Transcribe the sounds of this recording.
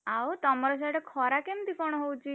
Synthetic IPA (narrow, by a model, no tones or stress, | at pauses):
awt̪ɔmɔɾɔs̬aʈekʰɔɾakemt̪ikɔɽ̃ɔɦowt͡ʃʰi